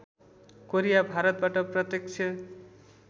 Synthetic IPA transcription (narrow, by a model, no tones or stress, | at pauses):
koɾijabʱaɾʌt̪̚baʈʌprʌt̪jʌk̚t͡ʃʰʌ